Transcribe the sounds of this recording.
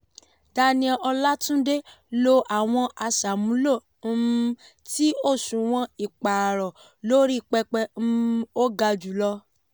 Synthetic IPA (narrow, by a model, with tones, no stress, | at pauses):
da˧˦nĩ˧ʔɔ˧la˦tũ˦de˦ | lo˧ʔa˨w̃ɔ̃˧ʔa˧sa˨mũ˨˦lo˦˨˦ | ti˦o˦˨sũ˨w̃ɔ̃˧i˨k͡pa˨ɾɔ˨ | lo˦ɾi˦˨k͡pɛ˧k͡pɛ˧˦o˦ɡa˧d͡ʒu˨˦lɔ˧